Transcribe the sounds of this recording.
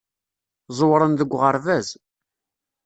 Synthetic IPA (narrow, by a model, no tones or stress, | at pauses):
zˤwɾˤənðəɡʷːʁəɾˤvæz